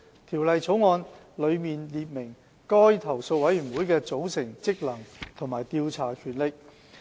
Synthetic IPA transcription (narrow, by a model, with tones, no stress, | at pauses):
t̪ʰiː˨˩wlɐ˨jt͡sʰo˨˥wŋɔː˧n | lɵ˨˧ɥmiː˨nliː˧t̚mɪ˨˩ŋ | kɔː˥jt̪ʰɐ˨˩wso˧wɐ˨˥jyː˨˩nwuː˨˥jkɛː˧t͡so˨˥wsɪ˨˩ŋt͡sɪ˥k̚lɐ˨˩ŋt̪ʰo˨˩ŋmaː˨˩jt̪iː˧wt͡sʰaː˨˩kʰyː˨˩nlɪ˨k̚